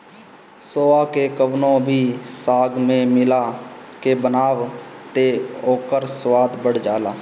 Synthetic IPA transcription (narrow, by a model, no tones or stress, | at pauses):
soːaːkekəʋnõːbʱiːsaːɡmẽmɪlaːkeːbənaːʋt̪eːoːkəɾswaːd̪bəɽ̤d͡ʒaːlaː